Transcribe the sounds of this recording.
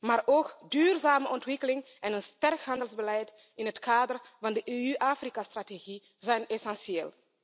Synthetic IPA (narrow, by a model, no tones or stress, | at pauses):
maːrʔoːkdyːrzaːməʔɔntʋɪkəlɪŋ | ɛnənstɛrkɦɑndəlzbəlɛjt | ɪnɦətkaːdərvɑndəʔeyʔaːfrikastrateɣi | zɛjnɛsɛnsieːlˠ